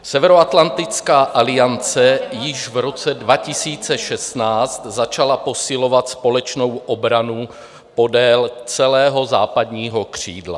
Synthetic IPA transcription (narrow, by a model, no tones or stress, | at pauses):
sɛvɛɾoat̪lant̪ɪt͡skaːʔalɪjant͡sɛjɪʒvɾo̞t͡sɛdvacɪsiːt͡sɛʃɛst̪naːt͡st̪zat͡ʃalapo̞sɪlo̞vat̪spo̞lɛt͡ʃno̞wʔobɾanu | po̞dɛːlt͡sɛlɛːɦo̞zaːpadɲiːɦo̞kr̝̥iːdla̰